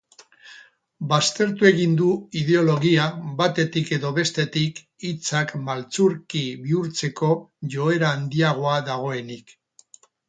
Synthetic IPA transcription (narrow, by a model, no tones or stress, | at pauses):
bast̪e̞ɾt̪ue̞ɣ̞ind̪uið̞e̞o̞lo̞ɣiabat̪e̞t̪ike̞ðo̞βe̞st̪e̞t̪ik | it͡sakmalt͡suɾkiβiuɾt͡se̞ko̞ʝo̞e̞ɾaːnd̪iaɣ̞o̞aðaɣ̞o̞e̞nik